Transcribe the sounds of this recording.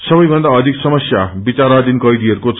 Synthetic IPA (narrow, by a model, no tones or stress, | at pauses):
sʌbʌjbʱʌnd̪aʌd̪ʱiksʌmʌsjabit͡saɾad̪inkʌjd̪iɦʌɾukot͡s